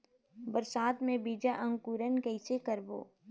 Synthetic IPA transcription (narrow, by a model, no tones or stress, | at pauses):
bəɾsaːt̪mẽbiːd͡ʒaʔə̃ŋɡkuɾənkəɪsekəɾbo̰ː